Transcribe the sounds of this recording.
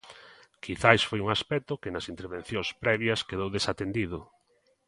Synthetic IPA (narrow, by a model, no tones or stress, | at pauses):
kiθajsfojuŋaspɛt̪ʊkɪnɐsint̪eɾβen̟θjõŋspɾɛβjɐskeðowðesat̪end̪iðʊ